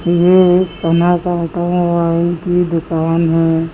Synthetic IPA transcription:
jekənat͡ʃat̪ãʋalikid̪ʊkaːnɦɛː

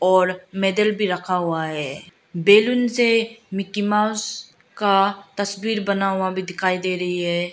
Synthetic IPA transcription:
ɔːɾmɛːd̪əlbʱiɾɐkʰaɦuaɦɛː | beːlʊnsemɪkimaːʊs | kat̪ɐsbiːɾbɐnaɦʊabʱid̪ɪkʰaːid̪eːɾɐɦiɦɛː

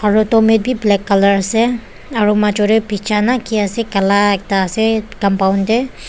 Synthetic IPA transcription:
aɹutɔmet̚bʱiblɛkːaləɹasɛ | aɹumat͡ʃɔɾɛpit͡ʃʰanakiasɛkalaɛk̚taːsɛkampawndɛ

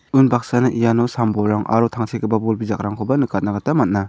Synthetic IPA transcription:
ɯnbak̚sanɯʔijanɔsambɔɾaŋa̰ɾɔtʰaŋtʰekʰɯbabɔlbizak̚ɾaŋkʰɔbanɯkat̚naɡatamat̚na

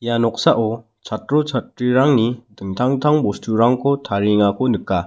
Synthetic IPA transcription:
janɔk̚saʔɔ | t͡sʰat̚ɾɔt͡sʰat̚ɾiɾaŋnidɯŋtʰaŋtʰaŋbɔstʰuɾaŋkʰotʰaɾiŋakʰonɯkːa

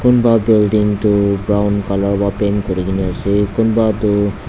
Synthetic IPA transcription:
kʊnbabilɖiŋtubɹawnkɔlɔɹbapenkoɹikiniasikʊnbatʊ

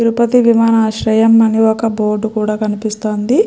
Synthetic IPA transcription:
iɾupɐt̪iʋimaːnaːʃɾɐjɐmːɐniɔkɐboːɾɖukuːɽaːkɐnipist̪o̞ːnd̪i

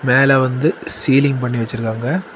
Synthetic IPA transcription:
meːlɐʋɐnd̪ɯsiːlɪŋɡpɐɳːiʋɛt͡ʃːɯɾɯkːaːŋɡɐ

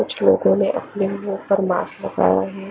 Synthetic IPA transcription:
kʊt͡ʃʰlo̰ːɡõnẽʔɐ̰plimõpɐɾmaːslɐɡa̰ːjaɦɛː

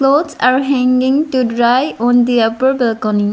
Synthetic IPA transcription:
klodsaɾɦɛ̃ŋɡĩŋtudɾajɔ̃nd̪iapəɾbɛlkɔnĩŋ

